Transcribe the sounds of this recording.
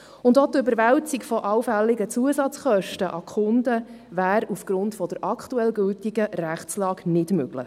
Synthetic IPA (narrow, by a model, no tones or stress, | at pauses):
ʊndot̪øbəɾʋæltikfɔʔɑwfælːɪɡət͡suəsɑt͡sχœʃtəʔɑkχʊnd̪ə | væːɾufɡ̥ɾʊntfɔd̥əɾɑktuɛlɡɵltiɡəræχslɑːɡnɪdmøɡ̥lə̰χ